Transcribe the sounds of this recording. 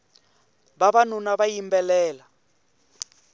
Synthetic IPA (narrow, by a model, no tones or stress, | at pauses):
βaβan̤unaβajimbɛlɛːla